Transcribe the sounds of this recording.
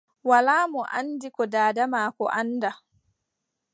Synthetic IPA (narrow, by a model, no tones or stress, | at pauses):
walaːmɔʔa̰ndikɔdaːdamaːkɔ̰ʔanda